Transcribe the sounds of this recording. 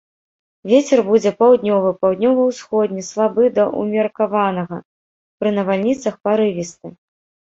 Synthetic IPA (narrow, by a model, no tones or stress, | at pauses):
vʲet͡sʲɛrbud͡zʲɛpawd̪nʲɔvɨpawd̪nʲɔvɐwsxɔd̪ʲnʲɛslˠabɨd̪ɐʔṵmʲɐrkavanɐɣɐ | pɾɨnɐvalʲnʲit̪sɐxpaɾɨvʲist̪ɨ